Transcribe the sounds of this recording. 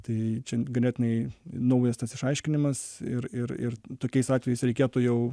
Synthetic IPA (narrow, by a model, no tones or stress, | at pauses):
t̪ɐɪt͡ʃʲɛɡɐnʲæːt̪ʲɪnɐɪnɐʊjɛst̪ɐsɪʃɐɪʃʲkʲɪnʲɪmɐsɪɾɪɾɪ̰rt̪oːkʲɛɪsɑːtʲʋʲɛjɛɪsɾʲɛɪkʲiːt̪uːjɛʊ